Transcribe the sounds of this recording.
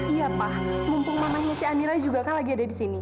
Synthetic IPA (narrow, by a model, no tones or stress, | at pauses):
ijapahmumpuŋmamaɲasiamiɾaid͡ʒuɡakanlaɡiadadisini